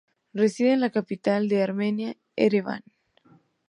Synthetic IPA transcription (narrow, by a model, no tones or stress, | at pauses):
resiðenlakapit̪ald̪eaɾmenja | ḛɾeβa̰n